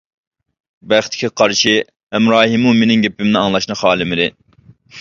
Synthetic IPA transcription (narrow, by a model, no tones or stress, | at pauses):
bæχt̪ʰɪ̥kʲʰɛqʰɑɾʃi | ɛmɾɑːɦimumenɪŋɡʲepʰɪmnɪɑŋlˠɑʃnɨχɑːlˠɪmɪd̪ɪ